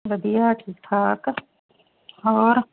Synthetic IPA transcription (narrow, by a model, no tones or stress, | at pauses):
ʋəd̪ijaːʈʰit̪ʰaːk | ɔːɾ